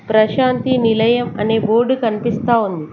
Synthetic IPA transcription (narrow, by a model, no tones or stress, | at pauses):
pɾɐʃaːnt̪inilɐjɐmɐneːboːɾɖkɐnipist̪aːund̪i